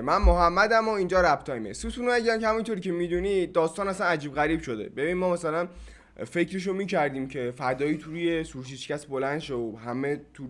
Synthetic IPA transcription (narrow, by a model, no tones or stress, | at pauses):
mænmoɦæmːæd̪æmoind͡ʒɒːɾæbt̪ʰɒːjmḛsut̪ʰunoæɟiæmkʲehæmint̪ʰoɾiːcʲʰe̞mid̪unid̪ɒːst̪ɒːnæsænæd͡ʒiːbɣæɾiːb̥ʃod̪e̞̰be̞biːnmɒːmæsælæn | fe̞cʰɾeʃ̬omiːcʰæɾd̪iːmcʰe̞fæd̪ɒːiːt̪ʰuɾujesuɾʃ̬iʃcʲæt̪ʰbolænʃooɦæmet̪ʰu